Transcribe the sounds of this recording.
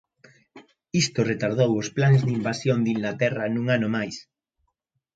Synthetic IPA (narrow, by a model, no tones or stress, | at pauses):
ist̪ʊret̪aɾð̞owʊsplanzðimbasjond̪iŋɡlat̪ɛrɐnuŋanʊmajs